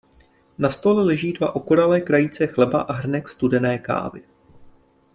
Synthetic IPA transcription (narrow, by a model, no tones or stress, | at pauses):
nast̪o̞lɛlɛʒiːdva̰ʔo̞koɾalɛːkɾajit͡sɛxlɛbaʔaɦr̩nɛkst̪udɛnɛːka̰ːvɪ̰